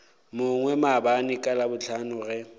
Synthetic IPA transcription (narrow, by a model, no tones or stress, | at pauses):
mʊŋwɛmabanɪkʼalabʊt͡ɬʰanʊɣɛ